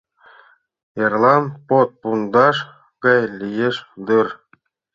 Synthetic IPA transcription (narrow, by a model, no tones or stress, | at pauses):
jɑrlˠɑnpot̪̚pund̪ɑʃ | kɑjlʲijeʃd̪ɯr